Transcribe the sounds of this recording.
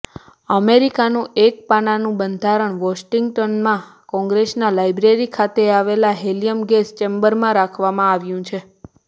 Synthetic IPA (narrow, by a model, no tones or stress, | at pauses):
əmeɾikanũek̚paɽ̃anũbənd̪ʱaɾəɳʋɔsʈiŋɡʈɔnmãkɔ̃ŋɡɾesnalajbɾeɾikʰat̪eaʋelaɦelijəmɡest͡ʃembəɾmãɾakʰʋamãaʋjũt͡ʃʰe